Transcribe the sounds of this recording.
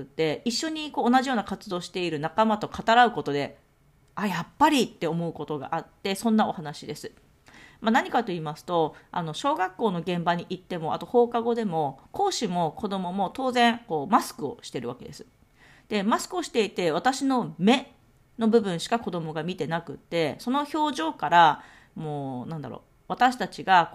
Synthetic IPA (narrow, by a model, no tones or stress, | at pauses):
ɯ̟t̪ːe̞iɕːo̞ɲ̟iko̞ːnaʑijo̞ːnakat͡sɨd̪o̞ːɕi̥t̪e̞iɾɯ̟nakamat̪o̞kʰat̪aɾaɯ̟ko̞t̪o̞d̪e̞ | ajapːaɾʲit̪ːe̞o̞mo̞ɯ̟ko̞t̪o̞ɡa̰ʔat̪ːe̞sõ̞nːao̞̰hanaɕid̪e̞sɨ̥ | manaɲ̟ikat̪o̞iːmasɨ̥t̪o̞a̰no̞ɕo̞ːɡakːo̞ːno̞ɡẽ̞mbaɲ̟iʔit̪ːe̞mo̞a̰t̪o̞ho̞ːkaɡo̞d̪e̞mo̞ko̞ːɕimo̞ko̞d̪o̞mo̞mo̞t̪o̞ːzẽ̞ŋko̞ːmasɨ̥kɯ̟o̞̰ɕi̥t̪e̞ɾɯ̟βa̰ke̞d̪e̞sɨ̥ | d̪̥e̞masɨ̥kɯ̟o̞ɕi̥t̪e̞it̪e̞β̞at̪aɕino̞me̞ | no̞bɯ̟bɯ̟̃ɰ̃ɕi̥kako̞d̪o̞mo̞ɡamʲit̪e̞nakɯ̟t̪ːe̞so̞no̞ço̞ːʑo̞ːkaɾa | mo̞ːnãnd̪a̰ɾo̰ː | βat̪aɕi̥t̪at͡ɕiɡa